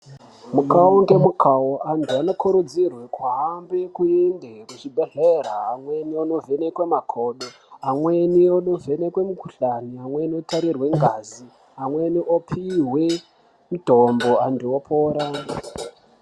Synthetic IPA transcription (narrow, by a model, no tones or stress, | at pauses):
mukauŋɡe̞mukʰawoantʰuano̞kʰuɾud͡zirwekwaambekuendekuʐibʱeɮeraːmwe̞nionovʱe̞nekwe̞makʰo̞ːɗo | amwe̞niono̞vʱe̞ne̞kwe̞mukuɬaniamwe̞niotaɾirwe̞ŋɡazi | amwe̞niʔopʰirwe | muto̞mbo̞antuopʰoːɾa